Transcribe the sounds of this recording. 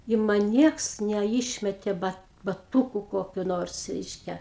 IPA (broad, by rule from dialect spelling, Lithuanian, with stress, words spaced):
ɪ ˈmɐn ˈnʲiɛks nʲɛˈɪʃʲmʲɛtʲeː bɐ bɐˈtuːkʊ ˈkoːkʲʊ ˈnoːrs ˈrʲɛɪʃʲkʲɛ